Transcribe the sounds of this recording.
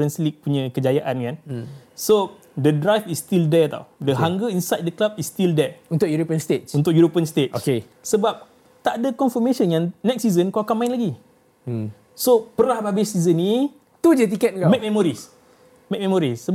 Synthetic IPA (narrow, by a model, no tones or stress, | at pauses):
ənslik̚puɲãkəd͡ʒajaʔankanso | dədɾajfist̪ildɛt̪a̰wdəɦaŋɡəinsajt̚dəklab̚ist̪ildɛunt̪ʊkjuɾopiənst̪et̪̚unt̪ʊkjuɾopiənst̪et̪̚ʔoke | səbap̚ | t̪aʔadəkɔnfəmesɔnjaŋnɛk̚sizənkawakanmãɪ̃nlaɡi | sopəɾahbabɪsizənːĩ | t̪ud͡ʒət̪̬ikɛt̪̚kamek̚mɛmɔɾis | mek̚mɛ̃mɔɾisə